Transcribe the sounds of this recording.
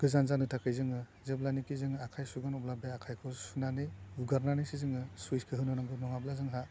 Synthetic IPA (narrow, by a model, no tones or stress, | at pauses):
ɡ̥ɯzanzanɯtʰakɯjzɯŋɯ | zeblanikizɯŋɯakʰajsuɡanɔblabeakʰajkʰɔsunanɯjuɡaɾnanijsizɯŋɯsuiskʰɯɦɯnɔnaŋbɯmɔŋablazɯŋɦa